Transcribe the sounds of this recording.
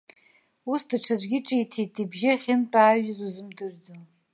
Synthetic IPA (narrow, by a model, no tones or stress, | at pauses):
usdaʈ͡ʂʰazʷɡʲɪʈ͡ʂʼitʰejtʰʼibʒɪaχʲɪnt͡pʼaːɥɪzuzɨmdɨrd͡zo